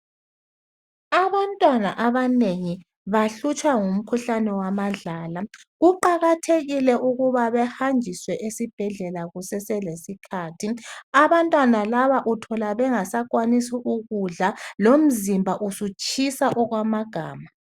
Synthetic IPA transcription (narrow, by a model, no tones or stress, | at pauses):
aβantʼwanaʔaβaneŋi | βaɬut͡ʃʼwaŋum̩kʰuɬanɛwamaɮaːlaɣuǃaɣatʰeɣilɛʔuɣuβaβɛhand͡ʒʱiswɛʔesib̥ʱɛɮɛlaɣusɛsɛlesikʰaːtʰiaβantʼwanalaβaʔutʰɔlaβɛŋasakʼwanisiʔuɣuɮalom̩zimbʱaʔusut͡ʃʰʼisaʔɔɣwamaɡ̥ʱaːma